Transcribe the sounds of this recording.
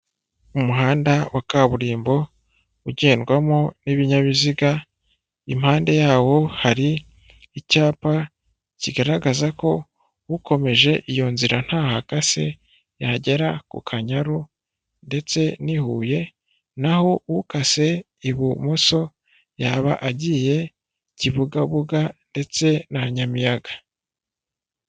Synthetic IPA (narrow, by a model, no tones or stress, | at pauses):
umuɦaːndawakaβuɾiːmbo̞ | uɟe̞ːnɡwamoniβiɲaβiziɡa | im̥haːnde̞jaːwo̞haɾiː | caːpa | ciɡaɾaɡazako̞ | wuko̞me̞ʒe̞ʔijo̞nziɾan̥haːhakase̞ | jaɟe̞ɾakṵkʰaɲaɾu | nde̞t͡se̞nihuːje̞ | naho̞wukase̞ | iβumoso̞ | jaβa̰ʔaɟiːje̞ | ciβuɡaβuɡande̞t͡se̞naβaɲamijaɡḁ